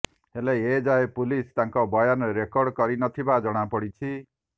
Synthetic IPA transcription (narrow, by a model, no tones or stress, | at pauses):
heleed͡ʒaepulist̪aŋkɔbɔjanɾekɔɾɖkɔɾinʌt̪ʰibad͡ʒɔɽ̃apɔɽit͡ʃʰi